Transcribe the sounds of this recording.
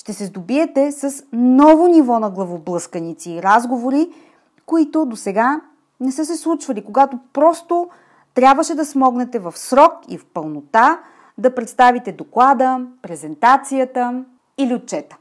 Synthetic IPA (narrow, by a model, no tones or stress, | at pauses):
ʃt̪ɛsɛzd̪obiɛt̪ɛsɐsnɔvonivɔnɐɡlˠɐvoblˠɤskənit̪siːɾazɡovoɾi | koit̪od̪osɛɡa | nɛsɤsɛslˠut͡ʃvɐlikoɡat̪opɾɔst̪o | t̪ɾʲjabvəʃɛd̪ɐsmɔɡnɛt̪ɛvɐfsɾɔkḭfpəlˠnot̪a | d̪ɐpɾɛt̪st̪avit̪ɛd̪oklˠad̪əpɾɛzɛnt̪at̪sijət̪ə | iliot̪̚t͡ʃɛt̪ə̥